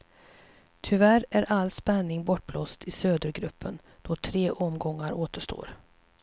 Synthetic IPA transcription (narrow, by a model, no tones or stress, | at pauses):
t̪ʰʏvæɾæɾʔalːspɛnːɪŋbɔʈ̚ːbloːst̪ʰɪsøːd̪əɾɡɾɵpʰːən | d̪̥ɔt̪ʰɾeːʔɔmɡɔŋːaɾoːt̪əʂʈo̰ːɾ